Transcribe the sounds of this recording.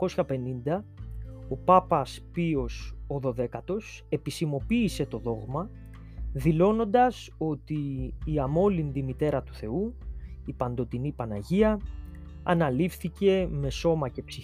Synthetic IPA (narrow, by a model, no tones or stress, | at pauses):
ko̞sçɐpe̞nind̪ɐ | o̞pɐpɐspio̞so̞ðo̞ðe̞kɐt̪o̞s | e̞pisimo̞piːse̞t̪o̞ðo̞ɣmɐ | ðilo̞no̞nd̪ɐs | o̞t̪iːɐmo̞lind̪imit̪e̞ɾɐt̪u̥θe̞uipɐnd̪o̞t̪inipɐnɐʝiɐ | ɐnɐlifθice̞me̞so̞mɐce̞psi